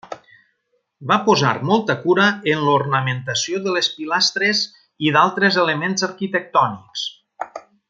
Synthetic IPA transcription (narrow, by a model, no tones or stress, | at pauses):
bapoza̰ɾmɔlˠt̪əkuɾəənlurnəment̪əsijoðələspilast̪ɾez | iðalˠt̪ɾəzeləmenzəɾkit̪ək̚t̪ɔniks